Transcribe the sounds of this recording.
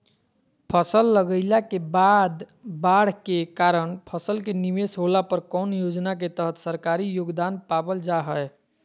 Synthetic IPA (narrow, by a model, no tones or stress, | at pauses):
pʰəsəlːəɡəlakebad̪ | baɽ̤kekaɾəɳ̃pʰəsəlkeniʋesɦolapəɾkɔnjod͡ʒnaket̪əɦət̪səɾkaɾijoɡd̪anpabəld͡ʒaɦəj